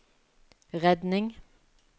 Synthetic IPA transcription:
ʁɛd̪nɪŋ

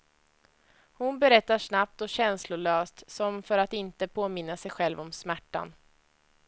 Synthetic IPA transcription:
hʊnbɛɾɛt̪ːaʂnap̚t̪ɔɕɛnslʊɭøːst̪sɔmfœɾat̪ɪnt̪əpʰoːmɪnːasɛjɧɛlvɔmsmæʈːa̰n

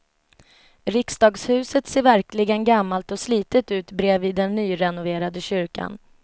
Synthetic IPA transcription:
ɾɪksd̪ɑːɡshʉ̟ːsət̪seːɾvæɾklɪɡənɡamːalt̪ɔsliːt̪ət̪ʉ̟ːt̪bɾeːviːd̪ɛnːyːɾɛnʊveːɾad̪əɕʏɾka̰n

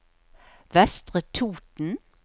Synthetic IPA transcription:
ʋɛst̪ʁət̪ʰuːt̪n̩

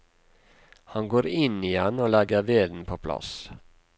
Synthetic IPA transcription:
hɑŋɡoːɾɪniːɛnoːlɛɡəʋeːd̪n̩pʰoːpʰlɑ̰s

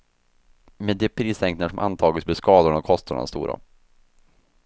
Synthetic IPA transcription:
meːd̪ɛpʰɾiːsɛŋknaʂɔmʔa̰nt̪ʰɑːɡəsbɛskɑːd̪ʊɳɔkʰɔst̪aɳɛ̰nst̪ṵːɾa̰

